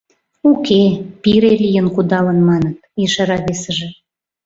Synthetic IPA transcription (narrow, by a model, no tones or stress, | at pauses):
ukepiɾelijənkud̪ɑlənmɑnət̪iʃɑɾɑβesəʒe